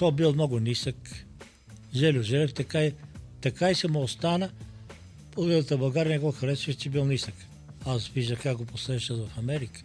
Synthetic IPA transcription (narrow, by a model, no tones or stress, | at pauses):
kɔbilˠmnɔɡʊnisək | ʒɛlʲʊʒɛlʲɛft̪ɐkait̪ɐkaisɛmoost̪anə | poɛnət̪əbɐlˠɡaɾʲnʲɛɡɔxɐɾɛsvəʃt͡ʃɛbilˠnisək | asviʒd̪əxkakɡoposɛʃət̪vɐfɐmɛɾikə̥